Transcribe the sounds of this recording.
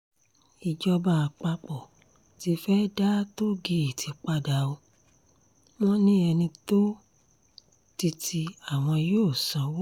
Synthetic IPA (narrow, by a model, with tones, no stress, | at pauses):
i˨d͡ʒɔ˧ba˧˨k͡pa˧k͡pɔ˨ | ti˧˦fɛ˦da˦to˦ɡi˧˦i˨tʰi˨˧k͡pa˧da˨o˧ | mɔ̃˦nĩ˦ɛ˧nĩ˧to˦ | ti˧tʰi˧a˦˨w̃ɔ̃˧joː˦˨sã˨˦wo˦